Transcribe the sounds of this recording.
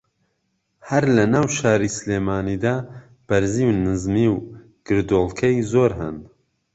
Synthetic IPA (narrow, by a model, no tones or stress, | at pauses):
hɐɾlɐnaːwʃaːɾisleːmaːnid̪aː | b̥ɐɾziːwnɨzmiːw | ɡ̥ɨɾd̪olˠkʰɐjzoːɾɦɨ̰n